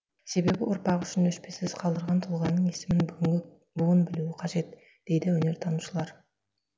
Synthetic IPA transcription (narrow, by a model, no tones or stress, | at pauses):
se̞be̞bɪwʔʊɾpɑʁʏʃɪnd̪ɵʃpe̞sɪzqʰɑlˠd̪əɾʁɑnt̪ʰʊlˠʁɑnːəɴe̞sɪmɪnbɡʲɪ | buwənbɪluɪqʰɑʒe̞t̪ | d̪̥e̞jd̪ɪwɵne̞ɾt̪ʰɑnuʃəlˠɑɾ